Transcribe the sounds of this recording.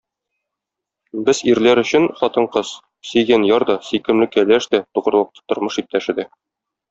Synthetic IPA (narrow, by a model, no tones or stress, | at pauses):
bɘziɾlæɾɵ̆ɕɘnχɒt̪ɤ̆ɴqɤz | sɵ̆jɡænjɒɾd̪ɒsikɘ̆mlɘ̆kælæʃd̪æt̪uʁɤ̆ɾ̆lˠɤ̆q̚t̪ɤ̥t̪ŏɾmɤʃip̚t̪æʃɘ̆d̪æ